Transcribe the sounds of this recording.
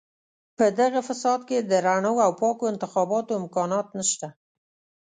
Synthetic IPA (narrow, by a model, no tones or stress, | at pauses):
pəd̪aɣafasɑd̪ked̪əɾaɳəwawpɑkoɪnt̪ɪxɑbɑt̪oɪmkɑnɑt̪nəʃt̪a